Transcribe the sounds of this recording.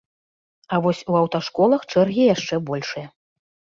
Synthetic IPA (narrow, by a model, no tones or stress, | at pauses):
ɐvɔsʲuɐwt̪aʂkɔlˠɐxt͡ʂɛrɣʲijaʂt͡ʂɛbɔlʲʂɨjɐ